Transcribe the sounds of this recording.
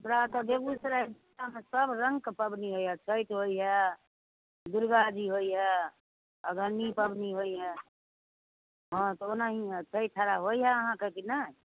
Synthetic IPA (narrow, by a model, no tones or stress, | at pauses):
mɾat̪ɔd̪eɡusɾadiamesəbʱɾə̃ŋɡkepəbniɦojɦɛt͡ʃʰəjt̪ɦojɦɛ | d̪uɾɡad͡ʒiɦojɦɛ | əɡəɾnipəbʱniɦojɦɛ | ɦɔ̃t̪ɔonaɦiɦɛt͡ʃʰəjt̪ʰːaɾaɦojɦɛəɦãkekina